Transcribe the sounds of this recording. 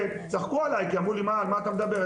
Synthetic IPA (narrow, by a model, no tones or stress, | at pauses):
e | zaχkualajkiamʁulimalmaːt̪amed̪abeʁ